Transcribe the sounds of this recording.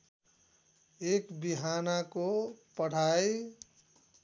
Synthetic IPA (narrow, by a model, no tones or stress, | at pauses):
ekbiɦanakopəɽ̤aj